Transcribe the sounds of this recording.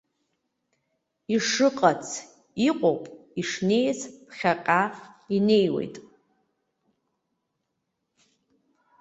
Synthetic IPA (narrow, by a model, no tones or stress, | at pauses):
iʂɨqʼat͡sʰ | iqʼopʼiʂne̞jzpχʲaqʲʼaine̞jwe̞̰jtʼ